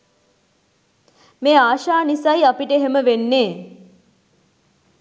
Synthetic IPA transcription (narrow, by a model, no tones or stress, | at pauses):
meːaːʃaːnisajapiʈəeɦeməʋenːeː